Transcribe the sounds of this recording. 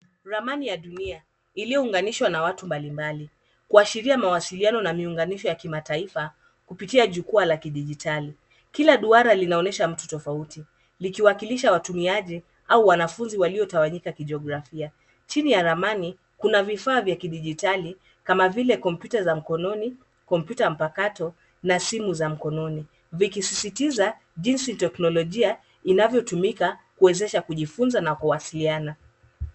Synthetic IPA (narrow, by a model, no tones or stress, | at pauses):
ɾamanijaɗunia | ilijɔuŋɡaniʃwanawatumbalimbali | kuaʃiɾiamawasilianɔnamiuŋɡaniʃɔjakimataifa | kupitiaʄukualakiɗiʄitʰali | kilaɗuaɾalinaɔnɛʃam̩tutɔfauti | likiwakiliʃawatumiaʄi | auwanafunziwaliɔtawaɲikakiʄɔɡɾafia | t͡ʃinijaɾamani | kunavifaːvjakiɗiʄitali | kamavilɛkɔmpjutazam̩kɔnɔni | kɔmpjutam̩pakatɔ | nasimuzam̩kɔnɔni | vikisisitiza | ʄinsitɛknɔlɔʄia | inavjɔtumikakuɛzɛʃakuʄifunzanakuwasiliana